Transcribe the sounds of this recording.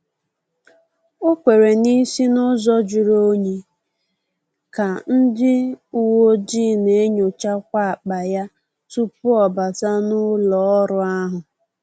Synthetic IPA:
o˦kʷe˨ɾe˨ni˦si˦nʊ˦zɔ˦d͡ʒʊ˨ɾo˦ɲe˨ | ka˨n̩˦dɪ˦u˨wo˦d͡ʒi˦˨ne˨e˦ɲo˨t͡ʃa˦kʷa˦a˨k͡pa˨ja˦ | tu˦pʊ˦ɔ˨ba˨ta˦nʊ˦lɔ˨˦ɔ˦ɾʊ˨˦a˦ɦʊ˨

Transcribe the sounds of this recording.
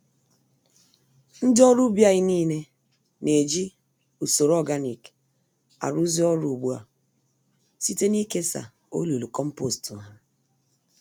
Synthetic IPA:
n̩˦dɔ˦ɾu˦bja˦˨ɣi˦niː˦ne˦ | ne˨d͡ʒi˦ | u˨so˨ɾɔ˦˨ɡa˦ni˨k | a̰˨ɾu˦zi˦ɔ˦ɾu˨bu˦a̰˨ | si˦te˦ni˦ke˦sa̰˨ | o̰˦lu˨lu˨kɔ˦m̩˦po˦˨stu˨a˨

